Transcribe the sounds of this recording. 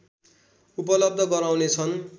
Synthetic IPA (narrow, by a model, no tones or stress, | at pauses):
upʌlʌb̚d̪ʱʌɡʌɾawnet͡sʰʌn